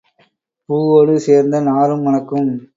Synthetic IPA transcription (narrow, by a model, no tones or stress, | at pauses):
puːoːɽɯseːɾnd̪ɐnaːɾɯmʋɐnɐkːɯm